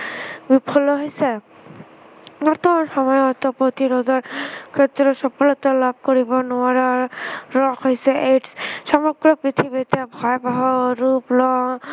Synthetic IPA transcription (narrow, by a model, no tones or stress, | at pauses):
bipʰɔlɔɦojse | mɔt̪ɔʃɔmɔjɔt̪ɔpot̪iɾɔd̪ɔɹkʰet̪ːɾɔsɔpɔlɔt̪ɔlab̚koɹibɔnʊaɾaɹɔxɦojsɛʔeʈssɔmɔɾɡɹɔpɹit̪ʰibit̪ebʱɔjbaɦɔɾuplɔ